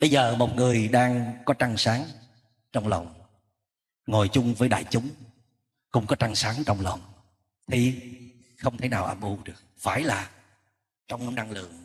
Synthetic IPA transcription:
ɓə˧jzəː˨˩mo˨˩t̚ŋɨ˨˩əjɗaː˧ŋkɔ˨˦t͡ɕa˧ŋsaː˨˦ŋ | t͡ɕɔ˧wŋ͡mlə̰˨wŋ͡m | ŋo˨˩jt͡ɕʊ˧ŋ͡mvəː˨˦jɗa̰ː˧˨jt͡ɕʊ˨˦ŋ͡m | kʊ̰˧˥ŋ͡mkɔ˨˦t͡ɕa˧ŋsaː˨˦ŋt͡ɕɔ˧wŋ͡mlə̰˨wŋ͡m | t̪ʰi˨˩ | xə˧wŋ͡mt̪ʰə˨˦jnaː˨˩wʔa˧˩mʔu˧˩ɗɨ˨˩ək̚faː˧˩jlaː˨˩ | t͡ɕɔ˧wŋ͡mna˧ŋlɨ̰˧˨əŋ

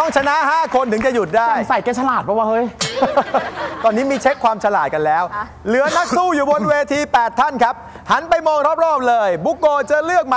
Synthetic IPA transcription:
ɔ˧˩ŋt͡ɕʰa˧na˦˥ʔɦaː˥˩kʰo˧nt̪ɯ˩˦ŋt͡ɕa˨˩ju˨˩t̪̚daː˥˩jsa˨˩jkaː˧˩t͡ɕʰa˧laː˨˩t̪̚pʰɔ˧˥waː˥˩hɤː˧˥j | t̪ɔː˧nːiː˦˥miː˧t͡ɕʰe˦˥kʰwaː˧mt͡ɕʰa˧laː˨˩ka˧nlɛː˦˥w | lɯ˨˩˦ɐna˦˥k̚suː˥˩juː˨˩bo˧nweː˧t̪ʰiː˧pɛː˨˩t̪ʰːa˥˩nkʰa˦˥p̚ | ha˩˦npa˧jmɔː˧ŋɾɔ˦˥p̚ɾɔː˥˩p̚lɤː˧jbu˦˥kːoː˧t͡ɕa˨˩lɯ˥˩ək̚ma˦

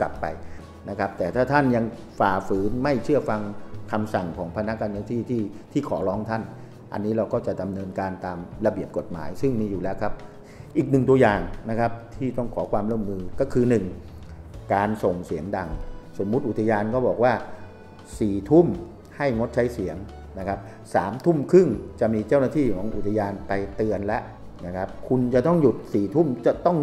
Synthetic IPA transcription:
ka̰˨˩pːa̰˧j | na˦˥kʰa˦˥p̚t̪ɛː˨˩t̪ʰaː˥˩t̪ʰa˥˩nja˧ŋ | faː˨˩fɯː˩˦nma˥˩jt͡ɕʰɯ˥˩ɐfa˧ŋkʰa˧msa˨˩ŋkʰɔː˩˦ŋpʰa˧na˦˥ʔkaː˧nɯ˧t̪ʰiː˥˩t̪ʰiː˥˩t̪ʰiː˥˩kʰɔː˩˦lɔː˦˥ŋt̪ʰa˥˩n | ʔa̰˧nːiː˦˥ɾa˧wkɔː˥˩t͡ɕa˨˩da˧mnɤː˧nkaː˧nt̪aː˧mɾa˧bi˨˩əp̚ko˨˩t̪̚ma̰ː˩˦jsɯ˥˩ŋmiː˧juː˨˩lɛː˦˥wkʰa˦˥p̚ | ʔiː˨˩k̚nɯ˨˩ŋt̪u˧ɐjaː˨˩ŋna˦˥kʰa˦˥p̚t̪ʰiː˥˩t̪ɔ˥˩ŋkʰɔː˩˦kʰwaː˧mɾu˥˩ə˨mːɯː˧kɔː˥˩kʰɯː˧nɯ˨˩ŋ | kaː˧nso˨˩ŋsi˩˦əŋda˧ŋso˩˦mːu˦˥t̪̚ʔu˨˩t̪ʰa˧jaː˧nkɔː˥˩bɔː˨˩k̚waː˥˩ | siː˨˩t̪ʰu˥˩m | ha˥˩jŋo˦˥t̪̚t͡ɕʰa˦˥jsi˩˦əŋ | na˦˥kʰa˦˥p̚ | saː˩˦mt̪ʰu˥˩mkʰɯ˥˩ŋt͡ɕa˨˩ʔmiː˧t͡ɕaː˥˩wna˥˩t̪ʰiː˥˩kʰɔː˩˦ŋʔu˨˩t̪ʰa˧jaː˧npa˧jt̪ɯ˧ənlɛ˦˥ʔ | na˦˥˩kʰa˦˥p̚kʰu˧nt͡ɕa˨˩t̪ɔ˥˩ŋju˨˩t̪̚siː˨˩t̪ʰu˥˩mt͡ɕa˨˩t̪ɔ˥˩ŋ

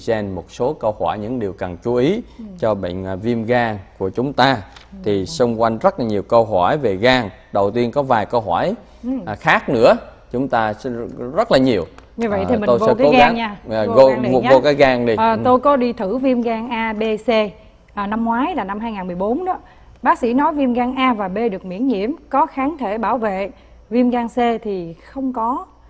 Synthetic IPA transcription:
zɛ˧nmo˨˩t̚so˨˦kə˧whɔ˧˩jɲɨ̰˧˥ŋɗi˨˩əwka˨˩ŋt͡ɕu˨˦ʔi˨˦t͡ɕɔ˧ɓə̰˧˨ŋ̟ː˨˩vi˧əmɣaː˧ŋku˧˩ət͡ɕʊ˨˦ŋ͡mt̪aː˧t̪ʰi˨˩sə˧wŋ͡mkwa˧jŋzə˦˥t̚laː˨˩ɲi˨˩əwkə˧wɦɔ˧˩jve˨˩ɣaː˧ŋ | ɗə˨˩wt̪i˧ənkɔ˨˦vaː˨˩jkə˧wɦɔ˧˩j | xaː˦˥k̚nɨ̰˧˥ə | t͡ɕʊ˨˦ŋ͡mt̪aː˧zə˦˥t̚laː˨˩ɲi˨˩əwɲɨ˧və̰˧˨j̪ʰi˨˩mi˨o˧˨vo˧ka˨˧˦aː˧ŋɲaː˧˨˧ | ɲː˨o˧kaː˨˦jɣaː˧ŋɗi˧əː˨˩t̪o˧jkɔ˨˦ɗi˧t̪ʰɨ˧˩vi˧əmɣaː˧ŋʔaː˧ɓe˧se˧ | ʔəː˨˩na˧mːŋwaː˨˦jlaː˨˩na˧mɦaː˧jŋaː˨˩nmɨ˨˩jɓo˨˦nɗɨ̰˨˦ə | ɓaː˦˥k̚sḭ˧˥nɔ˨˦jvi˧əmɣaː˧ŋʔaː˧vaː˨˩ɓe˧ɗɨ˨˩ək̚mḭ˧˥ənɲḭ˧˨əmkɔ˨˦xaː˨˦nt̪ʰe˧˩ɓaː˧˩wvḛ˧˨ | vi˧əmɣaː˧ŋse˧t̪ʰi˨˩xə˧wŋ͡mkɔ˨˦

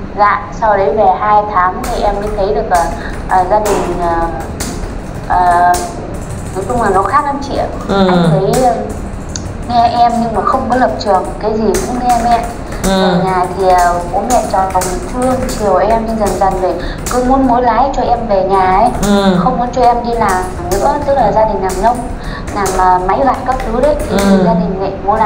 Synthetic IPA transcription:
la̰ː˧˨jsa˧wɗə˨˦jve˨˩haː˧jt̪ʰaː˨˦mt̪ʰi˨˩ʔɛ˧mmḭ˧˥t̪ʰə˨˦jɗɨ˨˩ək̚laː˨˩ | ʔəː˨˩zaː˧ɗï˨˩ŋ̟əː˨˩ | ʔəː˨˩ | t̪i˨˩t̪ʊ˧ŋ͡mlaː˨˩nɔ˨˦xaː˦˥k̚na˧mt͡ɕḭ˧˨əw | a˧˩ŋt̪ʰə˨˦jə˧˩ | ŋɛ˧ʔɛ˧mɲɨ˧ŋmaː˨˩xə˧wŋ͡mkɔ˨˦lə˨˩p̚t͡ɕɨ˨˩əŋ˨˩t̚kaː˨˦jzi˨˩kʊ̰˧˥ŋ͡mnɛ˧mɛ˧˥˨ | və˨˩˨ɲaː˨˩t̪ʰi˨˩ə˨˩ko̰˧˥mɛ̰˧˨t͡ɕɔ˨˩a˨˩mi˨˩ŋfʰɨ˧əŋt͡ɕi˨˩əwʔɛ˧mɲɨ˧zə˨˩nza˨˩ŋve˨˩ | kɨ˧˦mu˨˦ənmo˨˦jlaː˨˦jt͡ɕɔ˧ʔɛ˧mve˨˩ɲaː˨˩ə˨˦jxə˧wŋ͡mku˨˦t͡ɕɔ˧ʔɛ˧mɗi˧laː˨˩˨nɨ̰˧˥ət̪ɨ˦˥k̚laː˨˩zaː˧ɗï˨˩ŋ̟˨aː˨˩ŋnə˧wŋ͡m | naː˨˩ŋəː˨˩ma˨˦jva̰ː˧˨nkə˦˥p̚kɨ˨˦ɗə˨˦jʰi˨˩zaː˧ɗï˨˩ŋ̟mɛ̰˧˨mo˨˦la˨˦

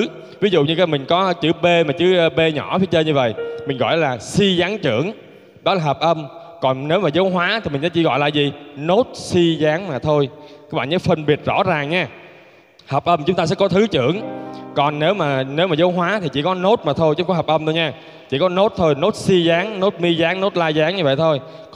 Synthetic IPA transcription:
vi˨˦zṵ˧˨ɲɨ˧kaː˨˦jmï˨˩ŋ̟kɔ˨˦˧t͡ɕɨ̰˧˩ɓe˧maː˨˩t͡ɕɨ˨˦˧ɓe˧ɲɔ˧˩fʰi˧˦t͡ɕəː˧ɲɨ˧və̰˧˨jmï˨˩ŋ̟ɣɔ̰˧˨jlaː˨˩si˧zaː˨˦ŋt͡ɕɨ̰˧˩˨əŋ | ɗɔ˨˦laː˨˩ɦəː˨˩p̚ʔə˧m | kɔ˨˩nne˨˦wmaː˨˩zə˨˦jɦwaː˨˦t̪ʰi˨˩mï˨˩sɛ̰˧˥t͡ɕi˧˩ɣɔ̰˧˨jla̰ː˨zi˨˩no˦˥t̚si˧zaː˨˦ŋmaː˨˩t̪ʰo˧jkaː˧˦k̚ɓa̰ː˧˨˩zəː˨˦fə˧˩nɓi˨˩ət̚zɔ̰˧˥zaː˨˩ŋɲaː˧ | həː˨˩p̚ʔə˧mt͡ɕʊ˨˦ŋ͡mt̪aː˧sɛ̰˧˥kɔ˨˦t̪ʰɨ˨˦t͡ɕɨ̰˧˩˨əŋkɔ˨˩nne˨˦wmaː˨˩ne˨˦wmaː˨˩zəː˨˦jɦwaː˨˦t̪ʰi˨˩t͡ɕḭ˧˩kɔ˨˦no˦˥t̚maː˨˩t̪ʰo˧jt͡ɕʊ˧˦ŋ͡mkɔ˨˦ɦə˨˩p̚ʔə˧mt̪ʰo˧jɲaː˧ | t͡ɕḭ˧˩kɔ˨˦no˦˥t̚t̪ʰo˧jno˦˥t̚si˧zaː˨˦ŋno˦˥t̚mi˧zaː˨˦ŋno˦˥t̚laː˧jzaː˨˦ŋɲɨ˧və̰˧˨jt̪ʰo˧j

